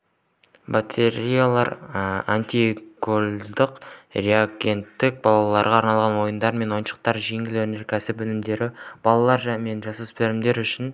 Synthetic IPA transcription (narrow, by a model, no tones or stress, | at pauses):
bat̪ʲʰeɾijalˠɑɾant̪ʲiɡolʲd̪ɪqreaɡʲe̞nt̪ːɪk̚bɑlˠɑlˠɑɾʁɑːɾnɑlˠʁɑnwo̞jənd̪ɑɾme̞nwo̞jənʃə̥q̚t̪ɑɾʒe̞ŋɪlɵɾneɾkʲʰæsɪpwɵnɪmd̪e̞ɾɪb̥ɑlˠɑlˠɑɾʒæme̞nʒɑsuspeɾɪmd̪e̞ɾʏʃɪn